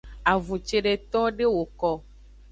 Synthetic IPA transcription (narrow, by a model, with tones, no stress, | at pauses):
a˨vu˨t͡ʃe˨ɖe˨t̪ɔ˦ɖe˦wo˨kɔ˦